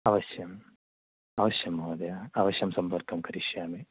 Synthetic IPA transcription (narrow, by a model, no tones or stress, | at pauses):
ɐʋɐʃjɐm | ɐʋɐʃjɐmoːd̪ɐjaɐʋɐʃjɐmsɐmpɐɾkɐmkɐɾiʃjaːme